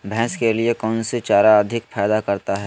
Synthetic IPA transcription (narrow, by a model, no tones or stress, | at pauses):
bʱɛ̃ːskeliekɔːnset͡ʃaːɾaɐd̪ʱɪkfʰɛːd̪akɐɾt̪aɦɛː